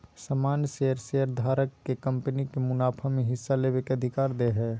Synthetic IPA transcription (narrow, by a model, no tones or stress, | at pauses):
səmaːnjseːəɾseːəɾd̪ʱaːɾəkːekə̃mpənikemʊnaːpʰəmẽɦɪsːaleːbekeəd̪ʱɪkaːɾd̪eɦɛː